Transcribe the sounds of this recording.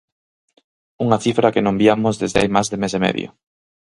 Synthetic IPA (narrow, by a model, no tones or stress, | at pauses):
uŋɐθifɾɐkenõŋbiamʊzðezðea̰jmazðemesemɛ̰ðj̰o̰